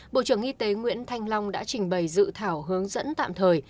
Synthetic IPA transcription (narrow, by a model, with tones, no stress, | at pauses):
ɓo̰˧˨t͡ɕɨ˧˩əŋʔi˧t̪e˨˦ŋwḭ˧˥ənt̪ʰa˧jŋ̟lɔ˧wŋ͡mɗa̰ː˧˥t͡ɕï˨˩ŋ̟ɓə˨˩jzɨ̰˧˨t̪ʰaː˧˩wɦɨ˨˦əŋzə̰˧˥nt̪a̰ː˧˨mt̪ʰəː˨˩j